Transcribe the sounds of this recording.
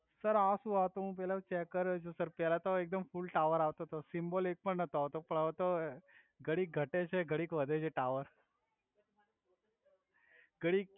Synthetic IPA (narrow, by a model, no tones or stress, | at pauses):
səɾasũaʋt̪oɦũp̬ɛlãt͡ʃɛkəɾt͡ʃʰusəɾpɛlat̪oek̚d̪əmfulʈaʋəɾaʋt̪ot̪osimbolek̚pəɳnət̪oaʋt̪opəɳəʋt̪o | ɡʱəɽik̚ɡʱəʈet͡ʃʰeɡʱəɽikʋəd̪ʱed͡ʒʰeʈaʋəɾ | ɡəɽik